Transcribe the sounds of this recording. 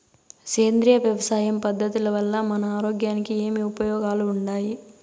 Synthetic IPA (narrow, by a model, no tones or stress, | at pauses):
keːnd̪ɾijɐʋjɐʋɐsaːjɐmpɐd̪ʱːɐt̪ulɐʋɐlːɐmɐnɐaːɾoːɡjaːnikie̞ːmiupɐjɔːɡaːluːɳɖaːji